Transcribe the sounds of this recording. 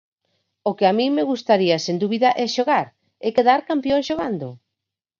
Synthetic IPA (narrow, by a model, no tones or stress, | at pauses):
okɪamĩŋmeɣust̪aɾiasend̪uβiðaʔɛʃoɣaɾ | ekeðaɾkampjõŋsʃoɣand̪ʊ